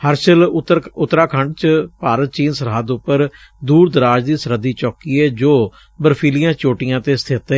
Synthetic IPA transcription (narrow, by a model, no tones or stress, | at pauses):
həɾʃəlʊt̪ːɾaːkʰəɳɖt͡ʃpaːɾət̪̚t͡ʃiːnsəɾɦaːd̪ʊpːəɾ | d̪uːɾd̪əɾaːd͡ʒd̪iːsəɾəd̪iːt͡ʃɔːkiːɛːd͡ʒoː | bəɾpʰiːlɪjãːt͡ʃoːʈɪjãːt̪eːst̪ʰɪt̪